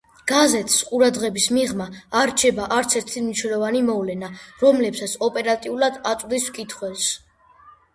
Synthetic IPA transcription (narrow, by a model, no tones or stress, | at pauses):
ɡ̥azɛt̪ʰsqʼuɾad̪ʁɛbismiʁmaːɾt͡ʃʰɛbaʔaɾt̪sʰɛɾt̪ʰimniʃnɛlˠɔvanimɔvlɛnaɾɔmlɛpsat̪sʰɔpʼɛɾat̪ʼiulad̪at̪sʼd̪iskʼit̪ʰχwɛls